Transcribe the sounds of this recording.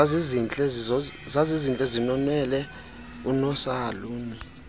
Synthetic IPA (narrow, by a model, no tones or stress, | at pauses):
aizint͡ɬʼɛzizazizint͡ɬʼɛzinɔnɛlɛ | unɔsaːluːmi